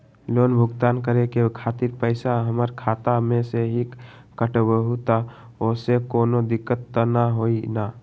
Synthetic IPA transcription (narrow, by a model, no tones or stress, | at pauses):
loːnbʱʊɡt̪aːnkəɾekekʰaːt̪iɾpəɪsaɦəməɾkʰaːt̪amẽseɦik | kəʈəbəɦut̪aoːsekoːnod̪ɪkːət̪ːnaɦoːina